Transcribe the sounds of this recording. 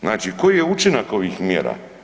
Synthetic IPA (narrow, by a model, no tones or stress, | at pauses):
znaːt͡ʃikojjeut͡ʃinako̞ʋiːxmjḛːɾa̰